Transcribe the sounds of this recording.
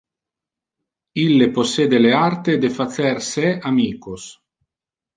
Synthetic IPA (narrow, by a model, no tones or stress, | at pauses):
ilːeposːeːd̪eleart̪ed̪efasɛrsɛamiːkos